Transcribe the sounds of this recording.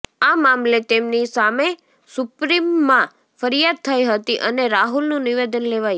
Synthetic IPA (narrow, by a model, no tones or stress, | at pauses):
amamlet̪emnisame | sʊpɾimːã | fəɾijad̪̚t̪ʰəjɦət̪iʔəneɾaɦulnũniʋed̪ənleʋaj